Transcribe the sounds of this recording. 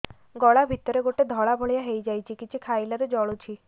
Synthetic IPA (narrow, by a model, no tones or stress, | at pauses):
ɡɔɭabʱit̪ɔɾeɡoʈed̪ʱɔɭabʱɔɭjaɦejd͡ʒajt͡ʃʰikit͡ʃʰikʰajlaɾed͡ʒɔɭut͡ʃʰi